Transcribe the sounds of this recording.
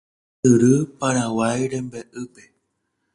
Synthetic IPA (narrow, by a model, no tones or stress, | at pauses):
ɨɾɨpaɾawajɾembeʔɨpe